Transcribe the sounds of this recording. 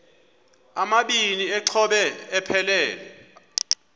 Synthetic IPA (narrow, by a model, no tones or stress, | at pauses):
amaɓiniɛǀʰɔɓɛːpʰɛlɛːlɛ